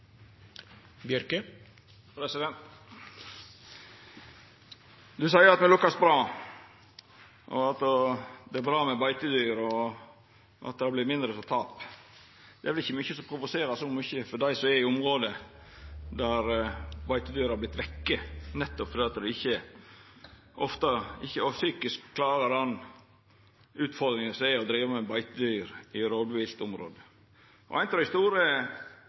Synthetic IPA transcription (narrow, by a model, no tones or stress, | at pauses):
bjœɾkə | pɾɛsɪd̪ɛnt̪ | d̪ʉsɑɪəɾɑt̪mɛlʊkːɑsbɾɑː | ʔɔ̰ɑt̪ːd̪ɛæɾbɾɑːmɛbɑɪt̪əd̪yːɾɔ | ʔɑ̰t̪d̪ɛɑblɪɾmɪnd̪ɾəfɔt̪ʰɑːp | d̪̥ɛæɾʋɪlɪçːəmʏçːəsɔmpʰɾʊʋʊseːɾɑsɔmʏçəfɔɖæɪsɔɛɪʊmɾoːd̪ə | d̪æɾbɑɪt̪əd̪yːɾəɑɾblɪt̪ʋɛkːənɛt̪ːɔpfɔɾd̪ɛːɑt̪d̪ɛɪçːə | ʔɔft̪ɑɪçːəɔsyːkɪskʰːlɑːɾəɑn | ʉːt̪fɔɾd̪ɾɪŋənsæɪɔd̪ɾiːʋəmɛbɑɪt̪əd̪yːɾɪɾoːd̪ʋiːst̪ʊmɾo̰ːd̪ə | ʔɔ̰æɪnt̪ɾɑɪst̪uːɾə